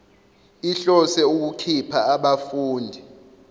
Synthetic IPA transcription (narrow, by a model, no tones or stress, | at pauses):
iɬɔsɛuk̬ukʰipʰaːɓafuːndʱi